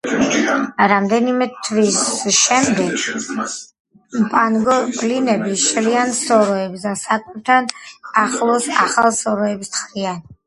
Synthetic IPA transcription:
ɾamd̪ɛnimɛt̪ʰvisʃɛmd̪ɛɡ | mpʼanɡɔpʼlinɛbiʃliansɔɾɔɛbsd̪asakʼɛp̚t̪ʰanaχlˠɔsa̰χalˠsɔɾɔɛpst̪χɾian

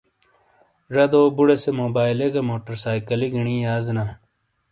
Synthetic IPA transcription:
ʐɐd̪oːbuɽesemoːbaːjleɡɐmoːʈɐɾsaːjkɐliɡiɳiːjaːzna

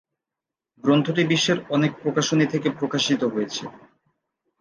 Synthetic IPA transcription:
ɡɾond̪ʰʱoʈibiʃːeɾɔnek̚pɾokaʃonit̪ʰekepɾokaʃit̪oɦojet͡ɕʰḛ

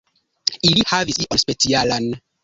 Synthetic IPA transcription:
ilihavisiʔɔnspet͡sialan

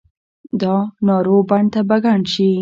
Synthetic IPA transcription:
d̪ɑnɑɾobaɳt̪abaɡaɳʃi

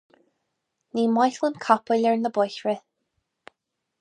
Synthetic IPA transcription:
niːmɔjɬlˠənkʰɔpəlɛɹnəbɔjɬɹɪ

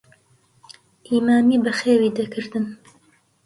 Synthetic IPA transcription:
ʔiːmaːmiːbɐxeːwiːd̪ɐkʰɨɾd̪ɨn

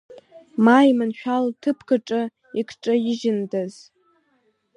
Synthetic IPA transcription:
maimɨnʃᶣaltʰɨpʰkʰɨʈ͡ʂʼɨ | ikʰʈ͡ʂʼɨɪʒɪndaz̥

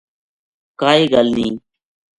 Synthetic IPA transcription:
kaːiːɡalnĩː

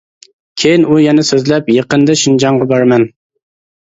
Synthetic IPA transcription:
kʲʰejinujɛnɛsøzlɛpjeqənd̪ɑʃynd͡ʒɑɴʁɑbɑɾmɛn

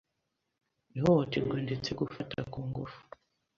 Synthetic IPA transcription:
nihootiɾɡwoːndet͡seɡufatakuːŋɡufu̥

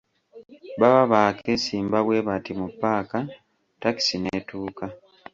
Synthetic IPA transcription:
baβaβakʰesiːmbaβwe̞ːβatimupːaːka | taki̥sineːtuːka

